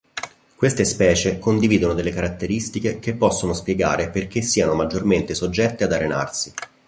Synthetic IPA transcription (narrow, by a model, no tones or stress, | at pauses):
kwest̪espɛːt͡ʃekond̪iviːd̪onod̪elːekaɾat̪ːeɾist̪ikekepːɔsːonospjeɡa̰ːɾeperk̟esːiːanomad͡ʒːorment̪esod͡ʒːɛt̪ːead̪arena̰rsi